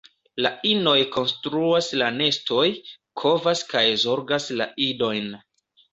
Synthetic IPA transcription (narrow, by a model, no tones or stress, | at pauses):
laino̞jko̞nstɾuaslane̞sto̞j | kʰo̞vaskajzo̞ɾɡasla̰ʔido̞jn